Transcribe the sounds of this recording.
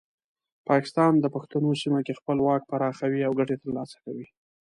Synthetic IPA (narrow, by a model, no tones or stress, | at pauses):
pɑkɪ̥st̪ɑnd̪əpaxt̪anosimakexpəlwɑk̚paɾɑxawiawɡaʈet̪əɾlɑsḁkawi